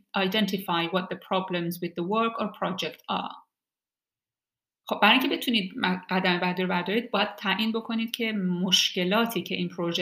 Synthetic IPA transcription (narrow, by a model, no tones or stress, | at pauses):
ʔɑjdent̪ʰifajwɒt̪̚ðepʰɾɑːblemzwiðːewøɾkʰɔɾpʰɹɑːd͡ʒekt̪ʰɒ̰ | xob̚bæɾɑːĩŋcʰe̞be̞t̪ʰuniːd̪̚mɡæd̪æmebæɾd̪oɾbæɾd̪ɒːɾiːd̪̚bɒːjæd̪̥̚t̪ʰːæʔiːnbo̞kʰo̞niːd̪̥̚cʰe̞moʃce̞lɒːt̪ʰiːcʰe̞ʔiːnpʰɾoʒe